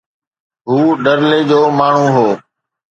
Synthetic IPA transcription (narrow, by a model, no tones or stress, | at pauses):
ɦuːɗəɾleːd͡ʑoːmaːɳ̤ũːɦoː